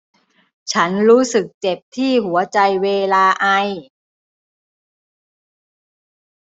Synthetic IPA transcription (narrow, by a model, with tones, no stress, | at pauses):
t͡ɕʰa˦˥nɾuː˦˥sɯ˨˩k̚t͡ɕe˨˩p̚t̪ʰiː˥˩hu˩˦ɐt͡ɕa˧jweː˧laː˧ʔa˧j